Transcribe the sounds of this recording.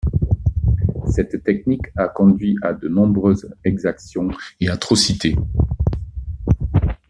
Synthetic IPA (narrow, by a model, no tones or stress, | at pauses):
sɛt̪ːɛknikakɔ̃d̪ɥiʔad̪ənɔ̃bʁøːzɛɡzaksjɔ̃eat̪χɔsit̪e